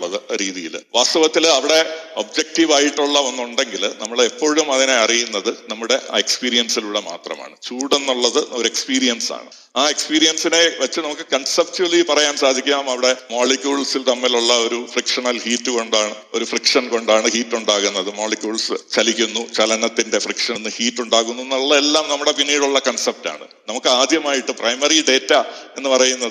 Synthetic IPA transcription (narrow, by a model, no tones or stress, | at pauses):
ɭːɐðɨɾiːðijḭlʋaːst̪ɐʋɐt̪ːilɐʋiɽe̞obd͡ʑek̚ʈiʋaːjiʈːuɭːɐʋɐnːuɳɖe̞ŋɡilnɐmːɐɭepːoːɻumɐðine̞ɐrijunːɐðɨnɐmːuɽe̞ʔekspiːɾijɐnsiluːɽe̞ma̰ːt̪rɐ̰ma̰ːɳɨt͡ɕuːɽenːuɭːɐðɨo̞ɾekspiːɾijɐnsa̰ːɳɨ̰ | aːe̞kspiːɾijɐnsine̞ʋɐt͡ɕːɨnɐmukːɨkɐɳsɐp̚ʈulipɐrɐjaːnsaːd̪ʱikʲːaːmɐʋiɽe̞mo̞ːlikʲːjuːɭsilt̪ɐmːiluɭːɐo̞ɾufrikʂɐɳɐlhiːtːɨko̞ɳɖaːɳɨ | o̞ɾufrikʂɐnko̞ɳɖaːɳɨhiːtːuɳɖaːɣunːɐðɨmoːɭikʲjuːɭsɨt͡ɕɐlikʲːunːut͡ɕɐlɐnɐt̪ːinde̞frikʂɐnːɨhiːtːuɳɖaːɣunːuenːuɭːɐelːaːmnɐmːuɽe̞pinːiːɽuɭːɐkɐɳsep̚ta̰ːɳɨ̰ | nɐmukːɨaːd̪ʱjɐmaːjiʈːɨprɐjmɐriɖe̞ːtːɐe̞nːɨpɐrɐjunːɐðɨ